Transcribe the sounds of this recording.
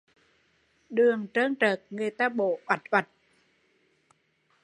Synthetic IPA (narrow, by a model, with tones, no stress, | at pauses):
ɗɯ˨˧əŋt͡ɕəː˧˥˩ŋt͡ɕəː˨˩k̚ŋe˧˩t̪a˧˥ɓoː˨˩ʔwa˨˩t̪̚wa˨˩t̪̚